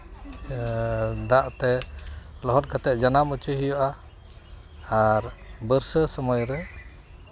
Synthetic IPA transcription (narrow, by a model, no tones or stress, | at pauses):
d̪aʔt̪ɛ | lɔɦɔt̚kat̪ɛʔ̚d͡ʒanamut͡ʃuɦijɔʔa | aɾbəɾsəsɔmɔjɾɛ